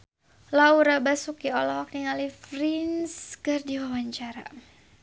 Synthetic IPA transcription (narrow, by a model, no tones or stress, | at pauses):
lauɾabasukiɔlɔk̚niŋalifɾinskɨrdiwawaɲt͡ʃaɾa̰